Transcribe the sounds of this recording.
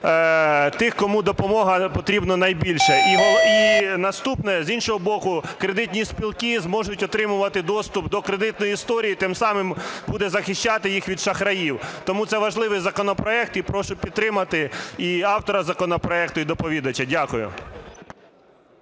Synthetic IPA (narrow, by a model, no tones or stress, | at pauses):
t̪ɪxkɔmud̪ɔpɔmɔɦɐpɔt̪ɾʲibnɔnɐjbʲilʲʃɛʔiɦlinɐst̪upnɛzʲinʃɔɦɔbɔkʊkɾe̞d̪ɪt̪ʲnʲisʲpʲilˠkʲizmɔʒʊtʲɔt̪ɾɪmʊʋɐt̪ɪd̪ɔst̪ʊp̚d̪ɔkɾed̪ɪt̪nɔjist̪ɔɾʲijit̪ɪmsɑmɪmbud̪ɛzɐxɪʃʲt͡ʃːɑt̪ɪjixʋʲid̪ʃɐxɾɐjiwt̪ɔmut̪sɛʋɐʒlˠɪʋɪjzɐkɔnɔpɾɔɛk̚t̪ipɾɔʃʊpʲid̪ɾɪmɐt̪ɪiɑwt̪ɔɾɐzɐkɔnɔpɾɔɛkt̪ʊid̪ɔpɔʋʲid̪ɐt͡ʃɐdʲakʊjʊ̰